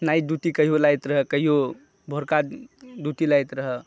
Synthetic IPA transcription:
najd̪ut̪ikəɦijolajt̪ɾəɦəkəɦijo | bʱoɾkad̪ut̪ilajt̪ɾəɦə

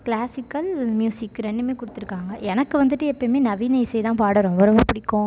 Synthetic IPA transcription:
klaːsɪkːɐlmjuːsɪkːɾɛɳɖɯmeːkʊɽɯt̪ːɯɾɯkːaːŋɡɐʔɛnɐkːɯʋɐnd̪ɯʈːɯɛpːɐmeːnɐʋiːnɐɪsɐjt̪ãːpaːɽɐɾʊ̃ʋɔɾɐʋɐpɪɽɪkːʊ̃

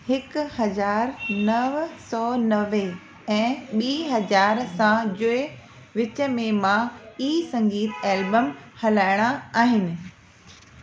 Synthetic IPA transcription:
hɪkhɐzaːɾnɐʋsɔːnɐʋe | ɛ̃ːɓiːɦɐzaːɾsãd͡ʑʊe | ʋɪt͡ɕə̆mẽmãiːsɐ̃ŋɡiːt̪ʰeːlbəmhɐlaːɪɽ̃aaːɦɪnɪ̆

